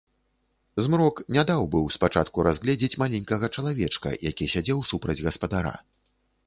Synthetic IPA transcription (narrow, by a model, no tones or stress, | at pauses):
zmɾɔknʲad̪awbɨwspat͡ʂat̪kuɾazɣlʲɛd͡zʲit͡sʲmalʲɛnʲkɐɣɐt͡ʂɐlˠavʲɛt͡ʂkɐ̰jakʲisʲad͡zʲɛwsupɾɐd͡zʲɣɐspɐd̪aɾa̰